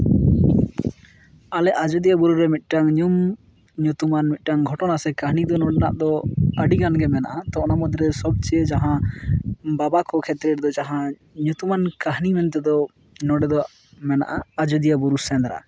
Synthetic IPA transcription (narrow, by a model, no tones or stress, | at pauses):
alɛʔad͡ʒɔd̪ijabuɾuɾɛmit̪̚ˀʈaŋɲum | ɲut̪umanmit̪̚ˀʈaŋɡʱɔʈɔnasɛkaɦnid̪ɔnɔɖɛnaʔd̪ɔəɖiɡanɡɛmɛna̰ʔat̪ɔʔnamɔd̪ɾɛsɔb̚t͡ʃɛd͡ʒaɦã | babakɔkʰɛt̪ɾɛɾd̪ɔd͡ʒaɦã | ɲut̪umankaɦnimɛnt̪ɛd̪ɔ | nɔɖɛd̪ɔ | mɛna̰ʔaad͡ʒɔd̪ijabuɾusɛnd̪ɾa̰